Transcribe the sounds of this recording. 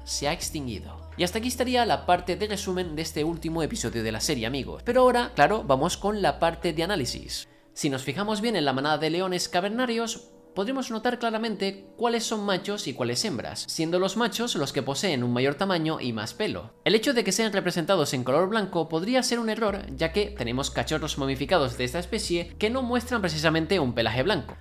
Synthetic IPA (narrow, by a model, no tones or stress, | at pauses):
seaekst̪iŋɡḭðo̞̰ | iast̪akiest̪aɾialapaɾt̪e̞ðere̞sumẽ̞nd̪e̞st̪e̞ult̪imoe̞piso̞ðjoð̞e̞la̰se̞ɾje̞amiɣo̰spe̞ɾoaoɾaklaɾo̞βamo̞sko̞nlapaɾt̪e̞ðeanalisḭsː | ino̞sfixamo̞zβje̞ne̞nlamãnaðaðe̞le̞o̞ne̞skaβe̞ɾnaɾjo̞s | poðɾemo̞zno̞t̪aɾklaɾamẽnt̪e̞kwale̞sːo̞ŋmat͡ʃo̞sikwale̞se̞mbɾa̰sːje̞nd̪o̞lo̞zmat͡ʃo̞zlo̞ske̞po̞se̞ːnuŋmaʝo̞ɾt̪amãɲo̞ʔḭma̰spe̞lo̰ | e̞le̞t͡ʃo̞ðe̞ke̞se̞anre̞pɾe̞sent̪aðo̞se̞ŋko̞lo̞ɾβlaŋko̞po̞ðɾiase̞ɾune̞ro̞ɾʝake̞t̪e̞nẽ̞mo̞skat͡ʃo̞ro̞zmomifikað̞o̞zðeest̪aespe̞θje̞ke̞no̞mwe̞st̪ɾampɾe̞θ̬is̬amẽnt̪e̞umpe̞laxe̞βlaŋko̥̰